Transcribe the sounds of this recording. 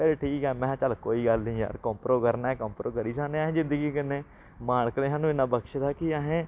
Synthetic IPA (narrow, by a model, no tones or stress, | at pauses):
peːleːʈʰiːkɦɛːmɛ̃ːt͡ʃəlkoːiːɡəlnĩːja̰ːɾkɔ̃ːmpɾoːkəɾnaːɛːkɔ̃ːmpɾoːkəɾiːsaknẽːaɦẽːd͡ʒɪ̃nd̪əɡiːkɪnːeː | maːɳkəlẽːɦaːnũːɪnːãːbəkʃd̪aːkɪaɦẽː